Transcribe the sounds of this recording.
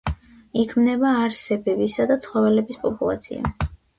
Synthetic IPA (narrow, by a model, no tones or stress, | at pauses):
ikʰmnɛbaːɾsɛbɛbisad̪at̪sʰχɔvɛlɛbispʼɔpʼulˠa̰t̪sʰḭa̰